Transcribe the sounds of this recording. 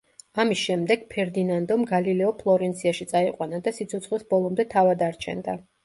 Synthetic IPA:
amisʃɛmd̪ɛɡ̥pʰɛɾd̪inand̪ɔmɡalilɛɔpʰlˠɔɾɛnt̪sʰiaʃit̪sʼaiqʼwanad̪asit̪sʰɔt̪sʰχwisbɔlˠɔmd̪ɛt̪ʰavad̪aɾt͡ʃʰɛ̰nd̪a̰

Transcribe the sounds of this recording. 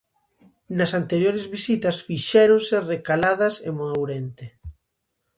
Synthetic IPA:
nɐsant̪eɾjoɾezβisit̪ɐsfiʃɛɾonserekalað̞ɐsḛmoðowɾent̪e

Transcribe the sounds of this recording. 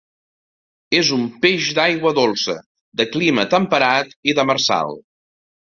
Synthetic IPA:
ezumpeʒd̪ajɣwəðolˠsə̰ | d̪əklimət̪əmpəɾat̪iðəməɾsa̰lˠ

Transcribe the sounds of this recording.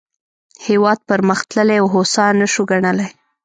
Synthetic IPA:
hewɑd̪̚pəɾməxt̪ləleawɦosɑnəʃuɡaɳəlaj

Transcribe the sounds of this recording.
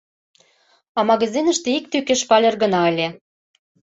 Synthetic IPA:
ɑmɑɣɑzinə̆ʃt̪eik̚t̪ykĕʃpɑlʲerɣə̆nɑĕlʲe

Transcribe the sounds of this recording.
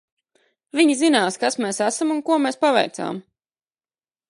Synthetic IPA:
vʲiɲizinaːskasmeːsæsamunkuɔmeːspavɛ̰jɾt̪sa̰ːm

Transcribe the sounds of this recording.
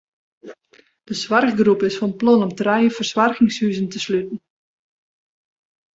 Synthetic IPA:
d̥əsʋarxɡrupɪsfɑnplɔnɔmtrɛjəfərswarxɪŋshyːzəntəslytn̩

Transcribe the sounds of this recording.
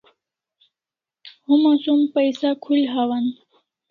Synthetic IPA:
ɦumasumpəjsakʰulɦaʋan

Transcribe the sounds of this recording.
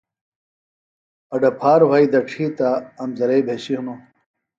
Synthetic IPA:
ɐɖɐpʰaːɾbʱaːid̪ɐʈ͡ʂʰiːt̪aːmzɐɾejbʱeɕiɦuno

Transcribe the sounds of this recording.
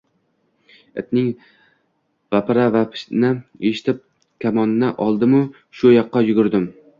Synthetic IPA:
ɪ̰t̪nɪŋ | vapʰɪɾavapʰɪ̥ʃnɪeʃɪ̥t̪ʰɪp̚ | kʲʰamɒnːɪʔɒlˠd̪ɪmʊ | ʃʊjɒqːɑjʊɡʲʊɾd̪ɪm

